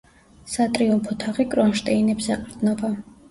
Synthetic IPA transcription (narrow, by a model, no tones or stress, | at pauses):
sat̪ʼɾiumpʰɔt̪ʰaʁikʼɾɔnʃt̪ʼɛinɛbsɛqʼɾd̪nɔba